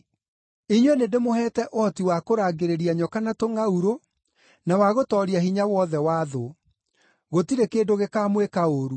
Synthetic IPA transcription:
iɲwɛnendemohɛːtɛʔoɔtiwakoɾaːɡeɾeɾiaɲɔkanatoŋauɾo | nawaɣotɔːɾiahiɲawɔðɛwaːðo | ɣotiɾekeːdoɣekamwekaoɾu

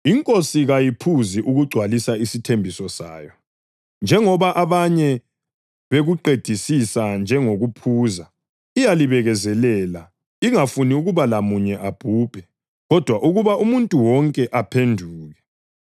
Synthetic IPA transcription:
iŋkʼosiɣajipʰuziʔuɣuɡ͡ǀʱwalisaisitʰembʱisɔsa̰ːjɔ | nd͡ʒʱɛŋɔβaʔaβaɲɛ | βeɣuǃed̥ʱisisand͡ʒʱɛŋoɣupʰuːza | ijaliβɛɣɛzɛlɛːla | iŋafuniuɣuβalamuɲɛʔab̥ʱuːb̥ʰʱɛ | ɣɔd̥ʱwaʔuɣuβaumuntʼuwɔŋkʼɛʔapʰendʱuːɣɛ

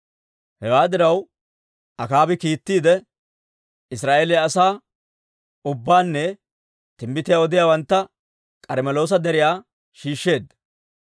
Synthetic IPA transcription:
hɛwaːd̪ɪɾɐw | ɐkaːbɪkiːt̪ːiːd̪ɛ | ɪsɾaːʔeːlɪjːsaː | ʊbːaːnːɛ | t̪ɪmbɪt̪ɪjaːwɔd̪ɪjaːwɐnt̪ːɐ | kʼɐɾmɛlo̞ːs̬ɐd̪ɛɾɪjaː | ʃiːʃːe̞ːd̪ɐ

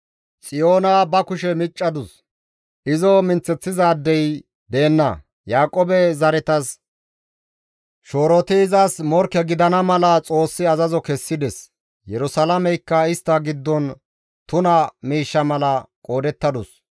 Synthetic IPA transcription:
t͡sʼɪjoːnabɐkʊʃɛmɪt͡ʃʼːɐd̪ʊs | ʔɪzɔmɪnt͡sːɛt͡sːɪzaːd̪ːɛj | be̞ːnːɐ | jaːkʼːɔbɛzɐɾɛt̪ɐs | ʃoːɾɔt̪iːzɐsmɔɾkɛɡɪd̪ɐnɐmɐlɐt͡sʼo̞ːsːɪɐzɐzɔkɛsːɪd̪ɛs | jɛɾʊsɐlɐmɛjkːɐɪst̪ːɐɡɪd̪ːɔn | t̪ʊnɐmiːʃːɐmɐlɐkʼoːd̪ɛt̪ːɐd̪ʊs

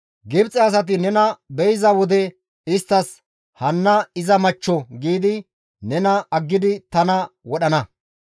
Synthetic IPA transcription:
ɡɪbt͡sʼɛɐs̬ɐt̪̬ɪnɛnɐbɛjzɐwɔd̪ɛ | ɪst̪ːɐs | hɐnːɐɪzɐmɐt͡ʃːɔɡiːd̪ɪ | nɛnɐʔɐɡːɪd̪ɪt̪ɐnɐwɔɗɐnɐ

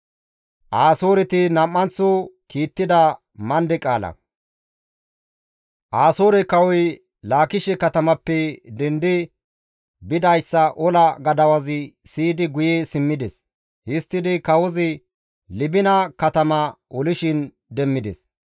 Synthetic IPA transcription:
ʔaːsoːɾɛt̪ɪnɐmːɐnt͡sːʊkiːt̪ːɪd̪ɐ | mɐnd̪ɛkʼaːlɐ̰ | ʔaːsoːɾɛkɐwɔj | laːkɪʃɛkɐt̪ɐmɐpːɛd̪ɛnd̪ɪ | bɪd̪ɐjsːɐʔɔlɐɡɐd̪ɐwɐzɪsiːd̪ɪɡʊjesɪmːɪd̪ɛs | hɪst̪ːɪd̪ɪkɐwɔzɪ | lɪbɪnɐkɐt̪ɐmɐʔɔlɪʃɪn | d̪ɛmːɪd̪ɛ̰s

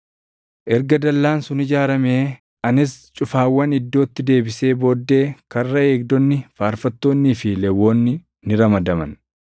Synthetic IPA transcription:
ʔɛɾɡɐd̪ɐlːaːnsʊnɪd͡ʒaːɾɐmeː | ɐnɪst͡ʃʼʊfaːwːɐnɪd̪ːo̞ːt̪ːɪd̪e̞ːbɪse̞ːbo̞ːd̪ːe̞ːkɐrːɐe̞ːɡ̚d̪ɔnːɪfaːɾfɐt̪ːo̞ːnːiːfɪlɛwːo̞ːnːɪ | nɪɾɐmɐd̪ɐmɐ̰n

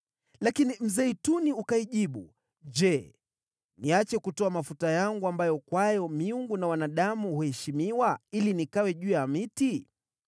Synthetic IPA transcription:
lakinim̩zɛituniukaiʄiɓu | ʄɛ | niat͡ʃɛkutɔamafutajaŋɡuambajɔkwajɔmiuŋɡunawanaɗamuhuhɛʃimiwailinikawɛʄuːjaːmiti

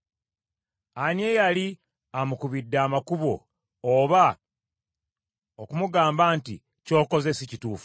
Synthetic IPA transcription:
anjejali | amukuβidːaːmakuβo̞̰ː | βa | okumuɡaːmbaːntḭ | co̞ːko̞ze̞secituːfu̥

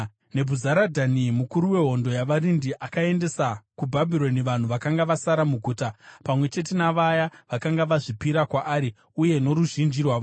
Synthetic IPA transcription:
ne̞bʱuzaɾadʱanimukuɾuwe̞ɦo̞ndo̞jaʋarindiʔakae̞nde̞sakubʱabʱiɾoniʋan̤uʋakaŋɡaʋasaɾamuɡʱuːtapamwe̞t͡ʃe̞t̬e̞naʋajaʋakaŋɡaʋaʐipiɾakwaʔːɾi | uje̞no̞ɾuʃind͡ʒirwaʋ

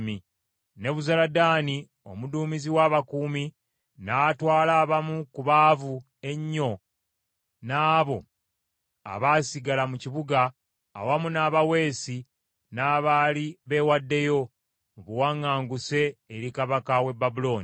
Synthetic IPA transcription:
mi | ne̞βuzaladaːni | o̰muduːmiziwaːβakuːmi | naːtwaːlaːβamukuβaːvu | e̞ɲːo̞ | naːβo̞ | a̰βaːsiɡalamuciβuɡa̰ː | wamunaːβawe̞ːsi | naːβaːliβe̞ːwadːe̞jo̞ | βuwaːŋːaːŋɡuse̞ːɾikaβakawe̞babulo̞ːni

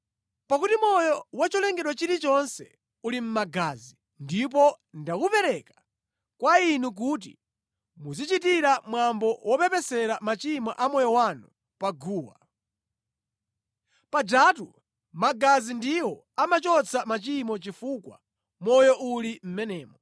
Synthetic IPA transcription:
pakutimɔjɔwat͡ʃɔlɛŋɡɛɾɔt͡ʃiɾit͡ʃɔnsɛ | ulim̩maɡazi | ndip̬ɔ | ndakupɛɾɛkḁ | kwainuk̬ut̬ḭ | muzit͡ʃit̬iɾamwambɔwʔɔpɛpɛsɛɾamat͡ʃimɔʔamɔjɔwanu | paɡuːwa̰ | pad͡ʒatu | maɡazindiwɔ | amat͡ʃɔt͡sʰamat͡ʃimɔt͡ʃifuːkwa̰ | mɔjɔʔulim̩mɛnɛːmɔ

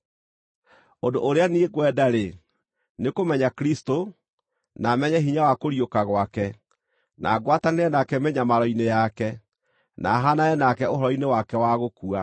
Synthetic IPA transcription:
ondoʔoɾeanieɣwɛdaɾe | nekomɛɲakɾisto | namɛɲɛɦiɲawakoɾiokaɣwakɛ | na̰ɣwataneɛnakɛmeɲamaɾɔinejakɛ | na̰ɦanaɛnakɛoɦɔɾɔinewakɛwaɣokua

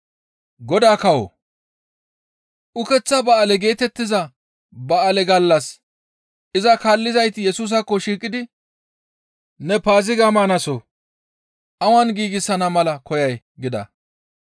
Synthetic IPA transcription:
ɡɔd̪aːkɐwo̰ | ʔʊkɛt͡sːɐbɐːlɛɡe̞ːt̪ɛt̪ːɪzɐ | bɐʔɐlɛɡɐlːɐs | ʔɪzɐkalːɪzɐjt̪ɪjɛsuːs̬ɐkːɔʃiːkʼːɪd̪ɪ | nɛpaːzɪɡamaːnɐsɔ | ʔɐwɐnɡiːɡɪsːɐnɐmɐlɐkɔjɐj | ɡɪd̪ɐ̰

